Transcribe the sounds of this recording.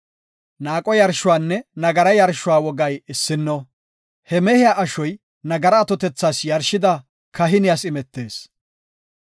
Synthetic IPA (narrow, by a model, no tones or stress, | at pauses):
naːkʼɔjɐɾʃʊwaːnːɛnɐɡɐɾɐjɐɾʃʊwaːwɔɡɐjɪsːɪnːɔ | hɛmɛhɪjaʔɐʃɔj | nɐɡɐɾɐːt̪ɔt̪ɛt͡sːaːsjɐɾʃɪd̪ɐ | kʰɐɦɪnɪjasɪmɛt̪ːe̞ːs